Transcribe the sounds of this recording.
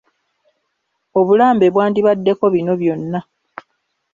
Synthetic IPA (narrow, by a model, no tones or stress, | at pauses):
o̞βulaːmbe̞βwaːndiβadːe̞ko̞βino̞βjo̞nːa